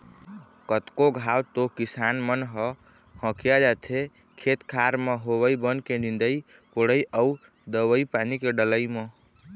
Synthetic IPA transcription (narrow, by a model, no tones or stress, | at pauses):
kət̪koɡʱawt̪okisanmənɦə | hə̃kijad͡ʒat̪ʰe | kʰet̪kʰaɾmeɦowəjbənkenind̪əi | poɽəjʔəu | d̪əwəipanikeɖələjme